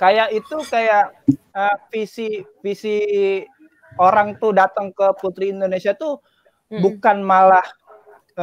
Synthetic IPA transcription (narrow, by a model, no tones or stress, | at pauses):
kajaʔit̪ukajaʔ | əfisifisi | oɾaŋt̪uhdat̪əŋkəput̪ɾiːndonesiat̪u | bukanmalah